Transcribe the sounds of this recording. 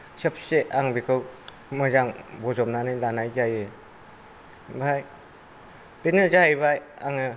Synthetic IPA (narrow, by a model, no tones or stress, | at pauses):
sɯp̚ʰseʔaŋbikʰɯw | mɯzaŋbɔzɔmnanɯjlanajzajɯ | bʱaj | penɯzaibaj | aŋɯ